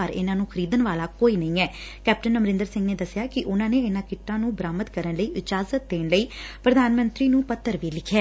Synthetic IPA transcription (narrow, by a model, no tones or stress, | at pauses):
əɾɪ̰nãːnũːkʰəɾiːd̪ənʋaːlaːkoːiːnəĩːɛːkɛːp̚ʈənəmɾɪ̃nd̪əɾsɪ̃ŋɡneːd̪əsɪjaːkɪʔʊnãːneːɪnãːkɪʈːãːnũːbəɾaːmət̪kəɾənləiːʔɪt͡ʃaːzət̪̚d̪eːnləiːpɾəd̪aːnmə̃nt̪ɾiːnũːpət̪ːəɾʋiːlɪkʰːɛː